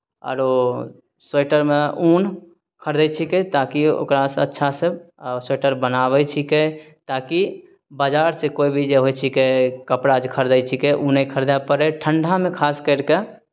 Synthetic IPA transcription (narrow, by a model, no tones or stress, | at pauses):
ɔ̰ːɾo | seːʈəɾmeuːn | kʰəɾd̪ət͡ʃʰiket̪akio̰ːkɾasətːʃʰaseseːʈəɾbənaːʋɛt͡ʃʰike | t̪aːki | bad͡ʒaːɾsekoːibʱid͡ʒeɦojt͡ʃʰikekəpɽad͡ʒkʰəɾd̪əjt͡ʃʰikeʔunəikʰəɾd̪apəɾeʈʰəɳɖʱamẽkʰaːskəɪɾke